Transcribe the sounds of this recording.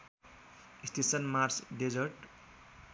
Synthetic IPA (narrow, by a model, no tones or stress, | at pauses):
ist̪ʰesʌnmarsɖed͡zʌɾʈ